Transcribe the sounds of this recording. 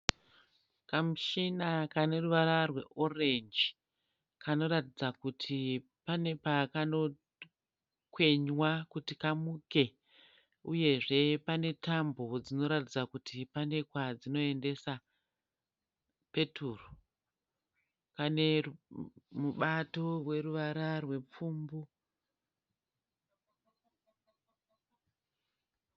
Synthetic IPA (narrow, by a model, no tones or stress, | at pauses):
kamuʃinakane̞ruʋaɾarwe̞ʔorend͡ʒi | kano̞ɾatid͡zakutʰi | pane̞pakano̞ | kwe̞ɲwakutikamuke̞ | uje̞ʐe̞pane̞tambo̞d͡zino̞ɾatid͡zakutʰipane̞kwad͡zino̞e̞nde̞sa | pe̞tʰuːro | kane̞ | muɓato̞rwe̞ɾuʋaɾarwe̞p͡fuːmbu